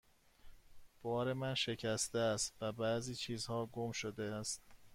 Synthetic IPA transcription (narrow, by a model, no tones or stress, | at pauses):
b̥ɒːɾe̞mænʃecʰæst̪eæst̪væbæziːt͡ʃʰiːzhɒːɡomʃod̪eæst̪